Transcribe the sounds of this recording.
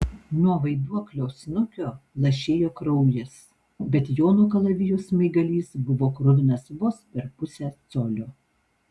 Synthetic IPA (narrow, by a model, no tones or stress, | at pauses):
nuɔʋɐɪd̪uɔklʲɛʊsʲnʊkʲoːlˠɐʃʲeːjoːkɾɐʊjɪs | bʲɛt̪joːnuːkɐlˠɐʋʲɪjosmɐɪɡɐlʲiːsbʊʋoːkɾʊd̪ʲɪnɐsʋospʲɛɾpʊsʲæt̪soːlʲoː